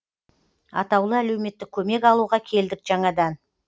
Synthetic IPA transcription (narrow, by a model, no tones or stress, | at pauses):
ɑ̰t̪ɑwlˠəælewme̞t̪ːɪk̚ʲʰːɵme̞kɑlˠuʁɑkʲʰe̞ld̪ɪkʒ̥ɑɴɑd̪ɑn